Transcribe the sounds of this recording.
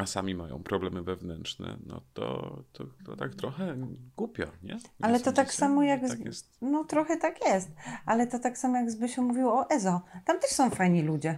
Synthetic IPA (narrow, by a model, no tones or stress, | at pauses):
asamʲimajɔ̰̃w̃pɾɔblɛmɘvɛvnɛntʂnɛ̰nɔt̪ɔt̪ʰɔt̪ɔ̰t̪akt̪ɾɔxɛɡ̥upʲjɔ̰ɲɛalɛt̪ɔt̪aksamɔjaɡ | nɔt̪ɾɔxɛt̪akjɛst̪alɛt̪ɔt̪aksamɔjaɡzbɘɕɛmuvʲiwɔɔʔɛzɔt̪amt̪ɛʂsɔ̃w̃fajɲilud͡ʑɛ